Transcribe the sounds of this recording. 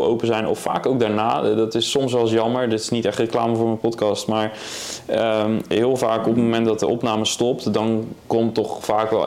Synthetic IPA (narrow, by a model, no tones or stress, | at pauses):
lˠo̰wpəzɛjnɔ̰ffa̰ːkowk̚daːɹna̰ːdɑtɪsːɔmsʋɛlˠsjɑməɹdɪtɪ̥snitɛχtrəklaːməvʊːɹmənpɔtkɑstmaːɹ | əmɦɪːlˠvaːkɔpətmomɛntdɑt̚dəʔɔpnaːməstɔp̚tdɑnkɔmtɔχfaːkʋɛ̰l